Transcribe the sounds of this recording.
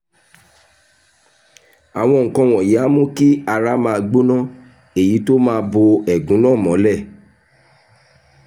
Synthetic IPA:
a˨w̃ɔ̃˧ŋ̩˨kã˧w̃ɔ̃˨je˨˦a˦mũ˦ki˦a˧ɾa˦mãː˧ɡ͡bo˦nã˦˨ | e˨ji˨˦to˦mãː˧bo˧ɛ˨ɡũ˨˦nã˦˨mɔ̃˨˦lɛ˦˨

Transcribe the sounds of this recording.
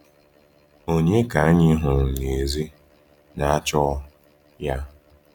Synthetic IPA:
o˦ɲe˦ka˨a˦ɲɪ˦ɦʊ˨ŋ̩˨ne˨zi˦ | na˨a˦t͡ʃɔ˦ | ja˦

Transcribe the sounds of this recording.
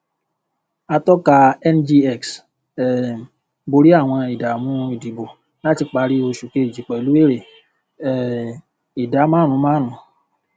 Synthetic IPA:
a˧tɔ˦ka˧ɛ˦nd͡ʒi˧ɛ˦˨ks | ɛ˨ | bo˧ɾi˦a˦˨w̃ɔ̃˧i˨da˨mũ˨˧˦i˨di˨bo˨ | la˦ti˧k͡pa˧˦ɾi˦o˧ʃu˨ke˧i˨d͡ʒi˨˦k͡pɛ˨i˨lu˨˦e˦˨ɾe˨ | ɛ˨ | i˨da˨˦mãː˦ɾ̃ũ˨˧˦mãː˦ɾ̃ũ˨˦

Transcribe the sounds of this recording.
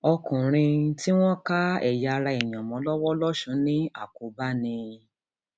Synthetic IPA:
ɔ˧kũ˨ɾ̃ĩ˧ti˦w̃ɔ̃˦ka˦ɛ̰˨ja˨˧ɾa˧i˨j̃ã˨mɔ̃˨˦lɔ˦wɔ˦lɔ˦ʃũ˨˦nĩ˦a̰˦˨ko˨ba˦nĩ˧

